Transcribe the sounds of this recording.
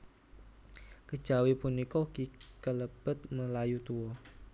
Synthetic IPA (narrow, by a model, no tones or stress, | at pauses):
kə̥ʒ̥awepunikɔkikələb̥ət̪̚məlajut̪uɔ